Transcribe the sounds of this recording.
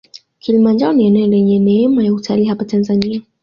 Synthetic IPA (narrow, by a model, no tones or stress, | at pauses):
kʰilimand͡ʒaɔniɛnɛɛlɛɲɛnɛhɛmajautʰaliːɦapatanzania